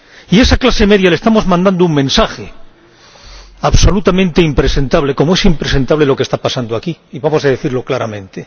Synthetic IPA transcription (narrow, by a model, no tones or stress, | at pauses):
ie̞saklaseme̞ðjalest̪amo̞zmãnd̪and̪ouŋmẽ̞nsaxe̞ | aβso̞lut̪amẽnt̪eimpɾe̞se̞nt̪aβle̞ko̞moe̞simpɾe̞se̞nt̪aβle̞lo̞ke̞st̪apasand̪oakiiβamo̞saðe̞θiɾlo̞klaɾamẽ̞nt̪e̞